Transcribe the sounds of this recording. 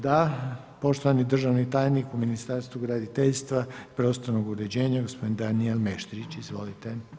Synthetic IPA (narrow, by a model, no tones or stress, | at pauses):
d̪a | po̞ʃt̪oʋanid̪r̩ʒaʋnit̪aːjnikuminist̪aɾst̪ʋuɡɾad̪it̪eʎst̪ʋapɾo̞st̪oɾnoɡuɾed͡ʑe̞ːɲaɡospo̞d̪ind̪anielmeʃt̪ɾit͡ɕizʋo̞lit̪e